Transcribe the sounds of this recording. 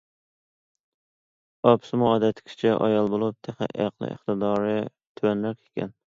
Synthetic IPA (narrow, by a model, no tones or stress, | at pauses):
ɑpsɨmʊɑːd̪ɛt̪ʰɪ̥kʲʰɪ̥t͡ʃʰɛʔɑ̰jɑlˠbolˠup̚t̪ʰeχɪ̰ʔæ̰qlˠɨ̰ʔɪ̰χt̪ɨd̪ɑːɾɨ | t̪ʰywænɾɛkʲʰe̥kʲʰɛ̰n